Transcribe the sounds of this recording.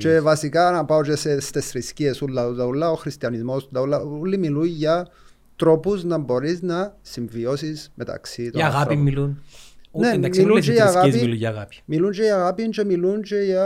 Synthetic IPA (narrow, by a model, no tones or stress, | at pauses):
t͡ʃevasikanapawt͡ʃesest̪esɾiskiesulːad̪aulaoxɾist̪jɐnizmosd̪aulaulːimilujja | t̪ɾopusnɐmboɾiznɐsiɱviosismʔet̪a̰ksit̪oaɣapimilunnemilut͡ʃejaɣapilujaɣapmilunt͡ʃejaɣapint͡ʃemilunt͡ʃeja